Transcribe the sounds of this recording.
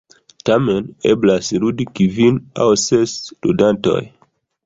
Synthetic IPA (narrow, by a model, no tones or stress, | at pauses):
tamenḛblasludikivina̰wsestṵdanto̞̰j